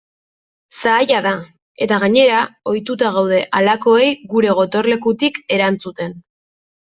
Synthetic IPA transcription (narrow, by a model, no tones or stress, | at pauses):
saːjaða | e̞t̪aɣaɲe̞ɾao̞jt̪ut̪aɣawð̞e̞ʔalako̞e̞jɣuɾe̞ɣ̞o̞t̪o̞ɾle̞kut̪ike̞ɾant͡sut̪e̞n